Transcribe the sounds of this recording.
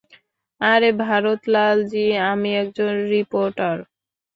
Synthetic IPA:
aɾebʱaɾot̪lald͡ʑiamiɛk̚d͡ʑonɾipoɾʈaɾ

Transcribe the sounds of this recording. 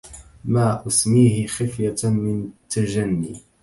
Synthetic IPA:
maːʔʊsmiːhɪxɪfjamɪnt̪ad͡ʒanːiː

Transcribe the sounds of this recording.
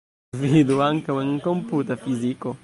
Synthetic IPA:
vid̪uaŋkawɛŋkõmput̪ɐfiziku

